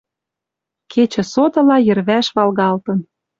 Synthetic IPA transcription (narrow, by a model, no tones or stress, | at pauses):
kʰet͡ɕə̆sot̪ɤ̆lɑjɘ̆rβæʃβɑlɣɑlt̪ɤ̆n